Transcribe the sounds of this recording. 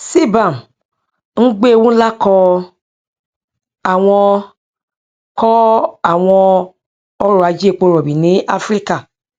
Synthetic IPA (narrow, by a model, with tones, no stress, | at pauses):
si˦ba˨n | ŋ̩˦ɡ͡be˦˨wũ˦la˦kɔ˧ | a˨w̃ɔ̃˧ | kɔ˦a˨w̃ɔ̃˧ | ɔ˦ɾɔ˨a˨˧d͡ʒi˦e˦˨k͡po˧ɾɔ˨bi˨nĩ˨˦a˦fɾi˦ka˦˨